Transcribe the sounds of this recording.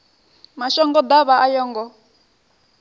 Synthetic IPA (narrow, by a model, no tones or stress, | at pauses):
maʃɔŋɡɔd̪aβaʔajɔːŋɡɔ